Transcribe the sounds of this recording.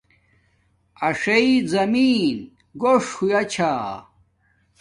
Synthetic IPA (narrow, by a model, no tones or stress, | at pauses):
ɐʂejizɐmiːn | ɡoʂxujɐt͡ɕʰaː